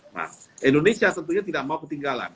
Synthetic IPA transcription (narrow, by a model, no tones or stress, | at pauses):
na̰mʔindonesiat̪ənt̪uɲat̪idaʔ̚maukət̪iŋɡala̰n